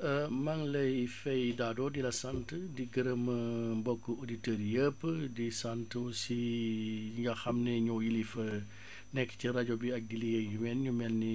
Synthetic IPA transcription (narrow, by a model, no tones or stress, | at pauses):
əmɐŋlɐjfɛjdaːdɔːdilɐsantədiɡəɾəməmbɔkːəoditəːɾjəpːədisantəwsi | ŋɡɐxɐmneɲɔwjilifə | nɛkːə̥ciɾaɟɔbiɐk̚dilijeɲumɛnɲumɛnːi